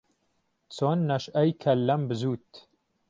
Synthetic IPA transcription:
t͡sonːɐʃɐjkʰɐlːɐmbɨzuːt̪

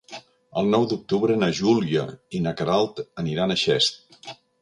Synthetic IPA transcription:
əlˠnɔwd̪uk̚t̪uβɾənəʒuliə̰inəkəɾalˠt̪əniɾanəʃɛst̪̚

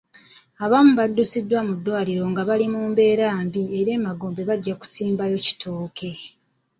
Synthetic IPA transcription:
aβamuβadːusidːwamudːwaːliɾo̞ŋɡaβalimuːmbe̞ːɾaːmbieɾe̞ːmaɡoːmbe̞βaɟːaku̥siːmbajo̞ci̥tʰo̞ːkʰe̞

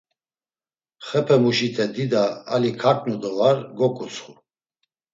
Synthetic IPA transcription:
χɛpʰɛmuʃit̪ʰɛd̪id̪aːlikʰakʼnud̪ɔvaɾɡɔkʼusʰʼχu

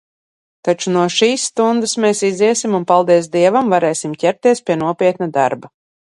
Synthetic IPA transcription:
t̪at͡ʃunuɔʃiːssːt̪und̪ɨsmeːsiziɛsimunpalˠd̪iɛs̬d̪iɛvamvaɾɛːsimcʲɛɾt̪iɛspʲiɛnuɔpʲiɛt̪nad̪a̰ɾba

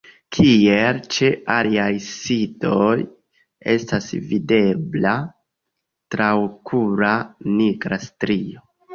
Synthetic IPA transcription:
kʰielt͡ʃealiajsito̞j | e̞̰stasvide̞bla | tɾawkʰuɾaniɡɾastɾio

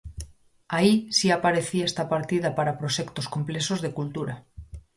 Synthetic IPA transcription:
aisiapaɾe̞θiaest̪apaɾt̪ið̞apaɾapɾoʃekt̪o̞sko̞mple̞sozðe̞kult̪uɾa

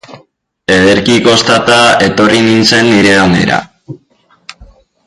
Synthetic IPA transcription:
e̞ðe̞ɾkiko̞st̪at̪ae̞t̪o̞rininse̞nːiɾe̞one̞̰ɾa̰

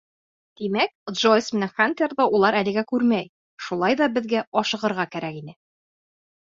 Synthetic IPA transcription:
d̪̥imæk̚d̪ʒojsmɘ̆næχant̪ʲerðɑʔulˠɑɾælɘ̆ɡækʉɾmæj | ʃulˠɑjðɒbɘ̆ðɡæʔɒʃɤ̆ʁɤ̆ɾʁɑkæɾækinɘ

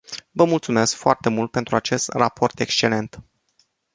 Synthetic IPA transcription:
vəmult̪sume̞skfoart̪e̞mult̪̚pe̞nt̪ɾuat͡ʃe̞st̪rapʰo̞rt̪e̞kst͡ʃe̞le̞nt̪

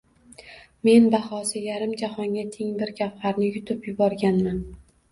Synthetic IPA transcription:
me̞nbahɒsɪjaɾɪmd͡ʒahɒŋɡʲat̪ʰeŋbɪɾɡʲafhaɾnɪjʊt̪ʰʊpjʊbɒɾɡʲanman

